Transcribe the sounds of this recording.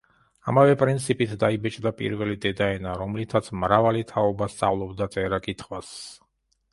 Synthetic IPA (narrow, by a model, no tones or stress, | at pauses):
a̰mavɛpʼɾint̪sʰipʼit̪ʰd̪aibɛt͡ʃʼd̪apʼḭɾvɛlid̪ɛd̪aɛnaɾɔmlit̪ʰat̪sʰmɾavalit̪ʰaɔbast̪sʼa̰vlˠɔbd̪at̪sʼɛɾakʼit̪ʰχwas